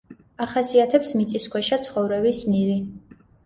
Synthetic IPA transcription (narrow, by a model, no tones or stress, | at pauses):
aχasiat̪ʰɛpsmit̪sʼiskʰwɛʃat̪sʰχɔvɾɛbisniɾi